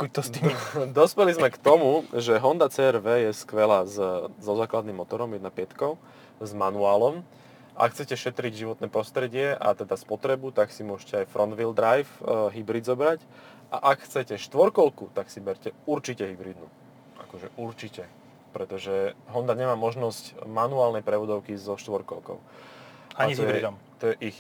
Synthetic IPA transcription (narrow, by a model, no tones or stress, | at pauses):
kuc̚t̪ɔst̪id̪ɔspɛlizmɛkt̪ɔmuʒɛɦɔnd̪at͡sɛːɛɾʋɛːjɛskʋɛlaːzzɔzaːklad̪nimːɔt̪ɔɾɔmjɛd̪napɪɛt̪kɔʊ | zmanuaːlɔm | ʔa̰kxt͡sɛcɛʃɛt̪ɾiɟʒiʋɔt̪nɛːpɾɔst̪ɾɛɟɪɛʔa̰t̪ɛd̪aspɔt̪ɾɛbut̪aksimʊɔʃcɛajfɾɔnd̪ʋild̪ɾajfɦibɾid̪zɔbɾac | ʔa̰ʔakxt͡sɛcɛʃt̪ʋɔɾkɔlkut̪aksibɛɾcɛuɾt͡ʃicɛɦibɾiːd̪nu | ʔa̰kɔʒɛʔuɾt͡ʃicɛ | pɾɛt̪ɔʒɛɦɔnd̪aɲɛmaːmɔʒnɔscmanuaːlnɛjpɾɛʋɔd̪ɔʊkizɔʃt̪ʋɔɾkɔlkɔ̰ʊ | aaɲiijɛid̪ɔm | t̪ɔjɛʔix